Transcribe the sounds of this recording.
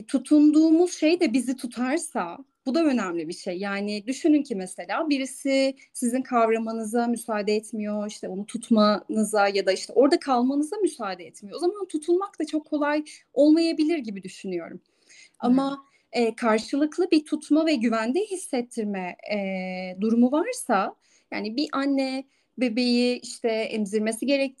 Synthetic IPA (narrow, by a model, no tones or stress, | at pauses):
t̪ʰut̪ʰund̪uːmuz̥ʃejd̪ɛbizit̪ʰut̪ʰaɾsa | b̥ud̪aø̞næmlʲibiʃejːaːnɪd̪yʃynyncimeselʲaːbiɾisɪ | sizinkʰavɾamanɯzamysaːd̪ɛɛt̪mijo̞iʃt̪ʰɛonut̪ʰut̪ʰmanɯzajad̪aiʃt̪ʰɛʔo̞ɾd̪akʰalˠmanɯzamysaːd̪ɛɛt̪mijoozamant̪ʰut̪ʰunmakt̪ʰat͡ʃʰokʰːo̞lˠaj | o̞lˠmajabilʲiɾɟibid̪yʃynyjo̞̰ɾum | ama | ɛːkʰaɾʃɯlˠɯklˠɯbit̪ʰut̪ʰmavɛɟyvænd̪ɛɦisːɛt̪ʰːiɾmɛ | d̪uɾumuvaɾsa | ja̰ːnibiʔanːɛ | be̞be̞jiiʃt̪ʰɛɛ̰mziɾme̞siɟe̞ɾɛc̪̚